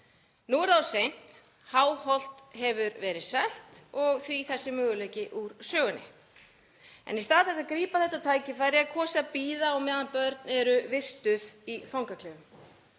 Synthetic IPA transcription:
nuɛɾðawsejn̥t̪ | haːwhɔl̥t̪ɦɛvʏɾvɛːɾɪðsɛl̥t̪ɔɣθɾiθɛsːɪmœːɣʏlejcɪʔuɾsœːɣʏnːɪ̰ | ɛ̰nist̪aːðɪθɛsːaðkɾiːpaθɛht̪ːat̪ʰaːjcɪfaːjɾɪakʰɔːsapiːðaɔɣmɛːðanpœɾt̪nɛɾʏvɪst̪ʏðifawŋkakʰlɛːvʏm

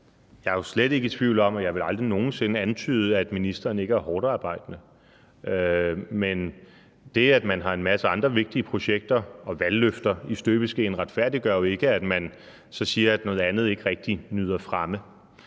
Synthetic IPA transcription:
jɑ̈ɪjo̝sleɾ̥e̝ɡ̥ət͡sʰʋiʊ̰lɒ̽m̰ɒjɑ̈ɪʋe̝lɑ̈ld̥ʁino̝ːn̩se̝nəænt͡sʰy̰ːð̞ˠəæd̥minisd̥ɐːn̩e̝ɡ̥əæɐhɒːd̥ɑ̈ːb̥ɑ̈ɪ̰d̥ənə | ømen | d̥e̝æd̥mænɦɑ̈e̝nmæsəɑ̈nd̥ʁɐʋe̝ɡ̥̚d̥iəpʰʁo̝ɕeɡ̥̚d̥ɐɒ̽ʋælːøfd̥ɐisd̥øːb̥əsɡ̥ḛːnʁad̥fæɐd̥iɡ̥ɶɐ̰jo̝e̝ɡ̥əæd̥mæn | sɒ̽siːɐæd̥nɔ̽ːð̞̩ˠænð̞̩ˠe̝ɡ̥əʁɛɡ̥̚d̥inyːð̞̰ˠɐfʁɑmə

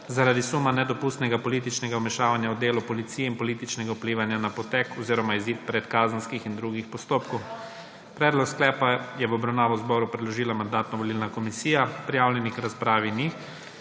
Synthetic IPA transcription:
zaɾad̪isumanɛd̪ɔpust̪nɛɡapɔliːt̪it͡ʃnɛɡaɔmɛʃaːʋanjaɔd̪eːlupɔlit̪siːjɛinpɔliːt̪it͡ʃnɛɡaupliːʋanjanapɔt̪ɛkɔziːɾɔmaiziːt̪̚pɾɛt̪kaːzənskixind̪ɾuɡixpɔst̪oːpkɔw | pɾɛːd̪lɔksklɛːpajɛʋɔbɾawnaːʋɔzbɔːɾupɾɛd̪lɔʒiːlamand̪aːt̪nɔʋɔlilnakɔmisiːjapɾijaːwljɛnikɾaspɾaːʋini

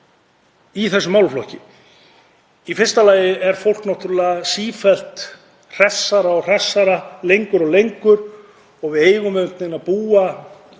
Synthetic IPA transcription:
iθɛsːʏmawlflɔhcɪ | ifɪr̥st̪alaːjɪɛɾ̥fowl̥knaht̪ʏɾʏlaɣasiːfɛl̥t̪ | r̥ɛsːaɾaɔr̥ɛsːaɾalejŋkʏɾɔɣlejŋkʏɾ | ɔɣvɪðeːjɣʏmɛʏm̥t̪nɪnapuːa

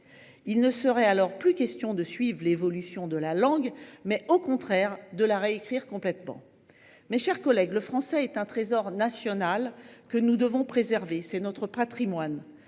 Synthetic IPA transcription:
ilnəsəʁɛalɔʁplykʲɛst̪jɔ̃d̪əsɥivʁlevɔlysjɔ̃d̪əlalɑ̃ɡmɛʔokɔ̃t̪χɛʁd̪əlaʁeekχiʁkɔ̃plɛt̪mɑ̰̃ | mɛʃɛʁkɔlɛɡləfχɑ̃sɛːt̪ɛ̃t̪χezɔʁnasjɔnalkənud̪əvɔ̃pχezɛʁvesɛnɔt̪χəpat̪χimwan

